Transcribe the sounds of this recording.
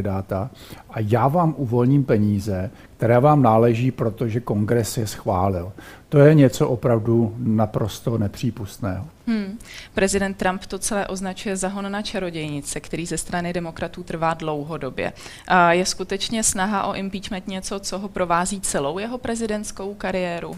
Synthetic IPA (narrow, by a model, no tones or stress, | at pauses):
ɪdaːt̪a | ʔajaːvaːmʔuvo̞lɲiːmpɛɲiːzɛ | k̚t̪ɛɾɛːvaːmnaːlɛʒiːpɾo̞t̪oʒɛko̞ŋɡɾɛsjɛsxvaːlɪlt̪o̞jɛɲɛt͡so̞ʔopɾavdunapɾo̞st̪o̞nɛpr̥iːpust̪nɛ̰ːɦo | ɦ̩pɾɛzɪdɛnt̪ːɾampt̪o̞t͡sɛlɛːʔo̞znat͡ʃujɛzaɦo̞nːat͡ʃɛɾo̞ɟɛjɲɪt͡sɛkt̪ɛɾiːzɛst̪ɾanɪdɛmo̞kɾat̪uːt̪r̩vaːdlo̞wɦo̞do̞bjɛ̰ | jɛskut̪ɛt͡ʃɲɛsnaɦaʔo̞ʔɪmpiːt͡ʃmɛnt̪ɲɛt͡so̞t͡so̞ɦo̞pɾo̞vaːziːt͡sɛlo̞wjɛɦo̞pɾɛzɪdɛnt̪sko̞wkaɾɪjɛːɾu